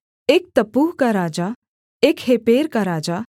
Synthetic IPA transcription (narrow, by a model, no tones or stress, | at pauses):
eːk̚t̪əpuːɦkaɾaːd͡ʒa | eːkheːpeːɾkaɾaːd͡ʒa